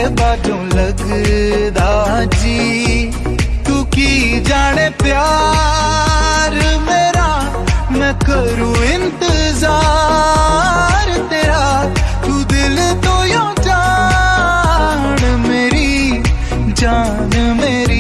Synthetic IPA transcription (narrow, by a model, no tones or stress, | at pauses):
baːd͡ʒõːlɐɡd̪aːd͡ʒiː | t̪uːkid͡ʒaːɽ̃epjaː | ɾmeːɾa | nɐkəɾoɪ̃nt̪ɪzaː | ɾt̪eːɾa | t̪uːd̪ɪlt̪oːjõ | d͡ʒaː | nmeːɾi | d͡ʒaː | nmeːɾi